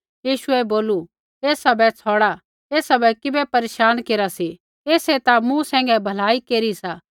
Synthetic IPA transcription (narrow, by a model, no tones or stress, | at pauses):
jiːʃuɛboːlu | eːsɐbɛt͡sʰɔːɽa | eːsɐbɛkɪbɛpɐɾeːʃaːnkeːɾasi | eːset̪amũsɛ̃ːŋɡɛbʱɐlaːikeːɾisaː